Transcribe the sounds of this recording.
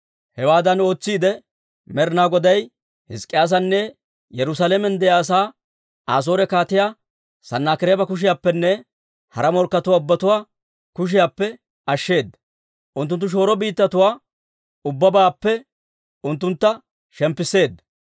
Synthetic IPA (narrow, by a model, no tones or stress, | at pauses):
hɛwaːd̪ɐno̞ːt͡sːiːd̪ɛ | mɛɾnaːɡɔd̪ɐj | hɪskʼːɪjaːs̬ɐnːɛ | jɛɾʊsalɛmɛnd̪ɛjaːs̬aː | aːs̬o̞ːɾɛkaːt̪ɪjaː | sɐnːaːkɪɾeːbɐkʊʃ̬ɪjaːpːɛnːɛ | hɐɾɐmɔɾkːɐt̪ʊwaːʊbːɐt̪ʊwaː | kʊʃ̬ɪjaːpːɛ | ɐʃːe̞ːd̪ːɐ | ʔʊnt̪̬ːʊnt̪ːʊʃ̬o̞ːɾɔbiːt̪ːɐt̪ʊwaː | ʊbːɐbaːpːɛ | ʊnt̪ːʊnt̪ːɐ | ʃɛmpːɪsːe̞ːd̪ːɐ